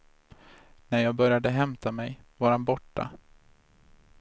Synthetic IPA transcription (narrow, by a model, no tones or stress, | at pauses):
næɾjɑːɡ̚bœɾjad̪əɦɛmt̪ʰamɛjvaɾhanbɔʈːa̰